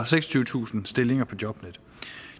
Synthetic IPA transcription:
ɐseɡ̥sɒ̥t͡sʰyːʊə̥t͡sʰṵːsn̩sd̥e̝le̝ŋɐpʰɒ̽d̥jɒ̽b̥ned̥

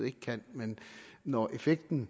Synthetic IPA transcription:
ð̩ˠe̝ɡ̥əkʰæn̰menːɒʔe̝feɡ̥̚d̥n̩

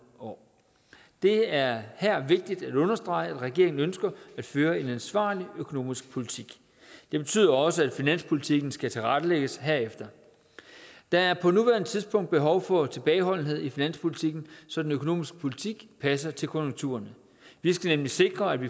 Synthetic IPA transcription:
ɒ̰ | d̥e̝æɐhæɐ̰ʋe̝ɡ̥̚d̥id̥æ̥ɔ̽nɐsd̥ʁɑ̈ɪæd̥ʁɛɡ̥e̝ɐ̰eŋn̩ønsɡ̥ɐæd̥føːɐe̝nænsʋɑ̰̈ːliøkʰo̝no̝̰ːmisɡ̥̚pʰo̝lit͡sʰiɡ̥ | d̥e̝b̥e̝̥t͡sʰy̰ð̰ˠɐɒ̽səæd̥finæn̰spʰo̝lit͡sʰiɡ̥n̩sɡ̥æt͡sʰe̝lʁad̥əleɡ̥əsɦæɐ̰efd̥ɐ | d̥ɑ̈æɐpʰɒ̽nuʋæɐnət͡sʰið̞ˠsb̥ʰɔ̽ŋ̰d̥̚b̥e̝ɦɒ̽ʊfɒ̽t͡sʰe̝b̥ɛːɪɦɒ̽l̰n̩ɦe̝ð̞̰ˠifinæn̰spʰo̝lit͡sʰiɡ̥n̩sɒ̽d̥enøkʰo̝no̝̰ːmisɡ̥ə̥pʰo̝lit͡sʰiɡ̥pʰæs̬ɐt͡sʰe̝lkʰo̽jo̝ŋt͡sʰṵːɐnə | ʋisɡ̥ænemlise̝ɡ̥ʁɐæd̥ʋi

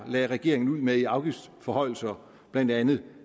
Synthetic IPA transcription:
lɛːʁɛɡ̥e̝ɐeŋn̩uð̰ˠmeiɑ̈ʊɡ̥ifd̥fɒ̽hɒ̽ɪ̰l̩sɐ | b̥læn̰d̥ænð̩ˠ

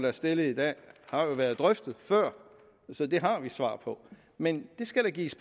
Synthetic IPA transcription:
d̥ɑɐsd̥e̝ləid̥ɛ̰ːhɑ̈jo̝ʋæɐð̞ˠd̥ʁœfd̥ð̩ˠfɶɐ̰ | sɒ̽d̥e̝ɦɑ̈ʋisʋɑ̰̈ːpʰɒ̽ | mend̥e̝sɡ̥æɾ̥ɑɡḭːsb̥

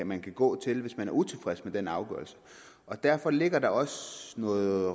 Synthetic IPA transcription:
mænkʰæɡ̥ɔ̰̽ːt͡sʰe̝lʋe̝smænæɐut͡sʰe̝lfʁɛsmed̥enɑ̈ʊɡ̥œ̰ːɐl̩sə̥ | ʔɒ̽d̥æɐ̰fɒ̽le̝ɡ̥ɐd̥ɑ̈ɒ̽sənɔ̽ːð̩ˠ

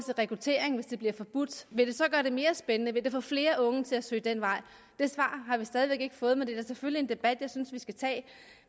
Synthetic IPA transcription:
sʰeʁɛkʰʁut͡sʰe̝̰ɐ̰eŋʋe̝sd̥e̝b̥liɐfɒ̽b̥ud̥ʋe̝d̥e̝sɒ̽ɡ̥ɶɐɾ̥e̝me̝ːɐsb̥enənəʋe̝d̥e̝fɔ̰fle̝ːɐʔɔ̽ŋət͡sʰe̝æsø̰ːd̥en̰ʋɑ̈ɪ̰ | d̥e̝sʋɑ̰̈ːɦɑ̈ʋisd̥ɛːð̞ˠiʋeɡ̥e̝ɡ̥ə̥fɔ̽ːð̞̩ˠmend̥e̥æsefølie̝nd̥e̝b̥æd̥jɑ̈ɪsynsʋisɡ̥æt͡sʰɛ̰ː

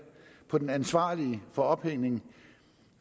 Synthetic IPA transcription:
pʰɒ̽d̥enænsʋɑ̰̈ːliəfɒ̽ɒ̽b̥heŋ̰ne̝ŋ

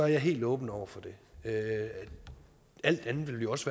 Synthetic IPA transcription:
ɒ̽æɐjɑ̈ɪɦe̝̰ːld̥ɔ̽ːb̥n̩ɒʊ̰ɐfɒ̽d̥e̝ø | æl̰d̥ænð̩ˠʋe̝b̥liɒ̽sʋæ

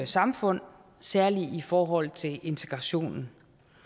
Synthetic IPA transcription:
sɑ̈mfɔ̽n̰ | sæɐliifɒːɦɒ̽l̰t͡sʰe̝le̝nt͡sʰe̝ɡ̥ʁɑ̈ɕo̝̰ːnn̩

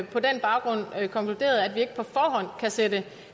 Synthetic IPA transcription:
pʰɒ̽denb̥ɑ̈ʊɡ̥ʁɔ̽n̰kʰɒ̽ŋkʰlud̥e̝̰ːɐð̞̩ˠæd̥ʋie̝ɡ̥əpʰɒ̽fɒːɦɒ̽n̰kʰæsed̥ə

